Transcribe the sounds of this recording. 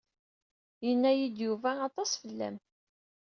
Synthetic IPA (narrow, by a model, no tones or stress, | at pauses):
jənːæjid̪juvæːt̪ˤɑsfəlːæ̰m